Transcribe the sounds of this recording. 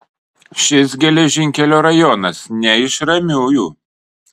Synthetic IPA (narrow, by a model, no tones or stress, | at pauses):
ʃʲɪs̬ɡʲɛlʲɛʒʲɪŋʲkʲɛlʲoːɾɐjɔnɐsnʲɛɪʃɾɐmʲuːjuː